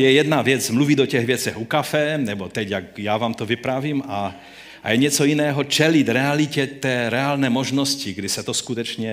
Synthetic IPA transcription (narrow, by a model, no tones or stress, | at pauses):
jɛjɛd̪navjɛd͡zmluvid̪ɔcɛɣʋjɛt͡sɛxukafɛnɛbɔt̪ɛcjakjaːʋaːmt̪ɔvipɾaviːma | ʔa̰jɛɲɛt͡sɔinɛːɦɔt͡ʃɛlid̪ɾɛalicɛt̪ɛːɾɛaːlnɛmɔʒnɔsciɡd̪isat̪ɔskut̪ɛt͡ʃɲɛ